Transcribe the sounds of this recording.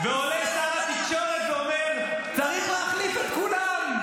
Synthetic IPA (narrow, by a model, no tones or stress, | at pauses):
veoleʃamat̪ikʃo̞ʁet̪veomeʁ | t͡saʁiχleaχlifet̪̚kulam